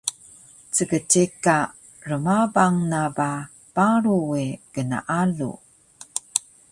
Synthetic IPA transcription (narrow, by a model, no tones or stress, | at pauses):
t͡səɡətikːa | rəmabaŋnaba | paɾuweɡ̥əna̰ʔalṵ